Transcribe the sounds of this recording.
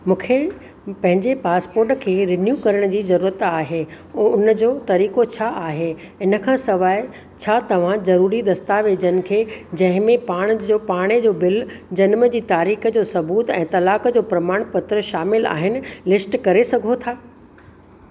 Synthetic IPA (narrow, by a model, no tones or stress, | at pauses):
mũːkʰe | pɐ̃ɦɪ̃ɲd͡ʑepaːspoːɾʈkʰeːɾɪnjuːkɐɾəɽ̃d͡ʑiːzɐɾuːɾət̪aːɦe | oʊnəd͡ʑoːt̪ɐɾiːkot͡ɕʰaːʔaːɦe | ɪnə̆kʰãːsɐʋaːɪ | t͡ɕʰaːt̪ɐʋ̤ãzɐɾuːɾid̪ɐst̪aʋeːd͡ʑənɪ̆kʰeːd͡ʑɐ̃ɦɪ̃mẽpaːɽ̃d͡ʑoːpaːɽ̃ed͡ʑoːbɪld͡ʑɐnməd͡ʑiːt̪aːɾiːxəd͡ʑoːsɐbuːt̪ɛ̃ːt̪ɐlaːkəd͡ʑoːpɾɐmaːɽ̃pɐt̪ɾəʃaːmɪla̰ːɦɪnɪ̆lɪsʈkɐɾesɐɡʱot̪ʰaː